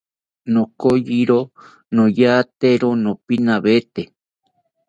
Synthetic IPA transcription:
nõkojiɾo | nõjat̪eɾonõpinãβet̪e

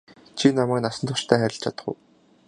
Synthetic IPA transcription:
t͡ɕʰinamæːknasə̆nt̪ʰʊt͡ɕt̪ʰæːχæɾʲɪ̆ɬt͡ɕʰat̪ə̆χʊ̰̆ː

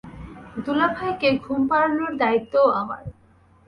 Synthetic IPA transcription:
d̪ulabʰʱaekeɡʱumpaɾnoɾd̪ait̪ːoama̰ɾ

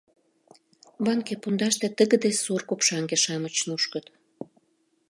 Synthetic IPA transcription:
βɑŋkepund̪ɑʃt̪ĕt̪əɣə̆d̪esurkupʃɑŋɡeʃɑmət͡ɕnuʃkət̪

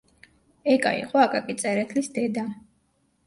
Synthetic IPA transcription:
ɛkʼa̰ḭχwaːkʼakʼit̪sʼɛɾɛt̪ʰlisd̪ɛd̪a

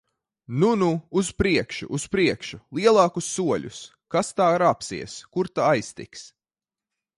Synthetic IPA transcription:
nunuːspɾiɛkʃṵʔuspɾiɛkʃulˠiɛlˠɑːkusːuɔʎʲṵs | kast̪aːɾapsḭɛskuɾt̪aajst̪ḭks

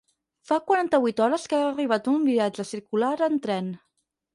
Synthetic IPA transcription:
fakwaɾant̪əβit̪ɔɾəskaːriβ̞at̪umbiad͡ʒəsiɾkulaɾənt̪ɾɛn

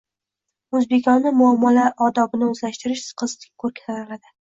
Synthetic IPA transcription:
ɵzbekʲʰɒnːɪmʊamːɒlaʔɒd̪ɒbɪnɪɵzlaʃt̪ɪɾɪʃsqʰɨzt̪ʰɪ̥kʰɵɾkʲʰḁzaɾɪlad̪ɪ

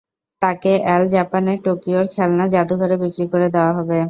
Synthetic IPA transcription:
t̪akeʔɛld͡ʑapaneʈokioɾkʰɛlnad͡ʑad̪uɡʱaɾebikɾikoɾed̪eoaɦɔbe

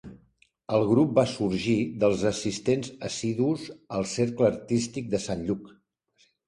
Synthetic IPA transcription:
əlˠɣɾup̚basuɾʒiðəlˠzəsist̪enzəsiðuzəlˠseɾkləːɾt̪ist̪ik̚d̪əsanʎuk

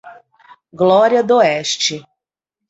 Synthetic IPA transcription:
ɡlˠoɾʲjad̪oeʃt͡ʃi

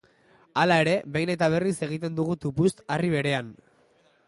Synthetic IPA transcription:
alae̞ɾe̞βe̞jne̞t̪aβ̞e̞rise̞ɣ̞it̪e̞nd̪uɣ̞ut̪upust̪ariβ̞e̞ɾe̞an

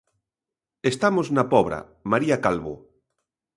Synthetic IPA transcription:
est̪amoznapɔβ̞ɾa̰ | maɾiakalβo̰

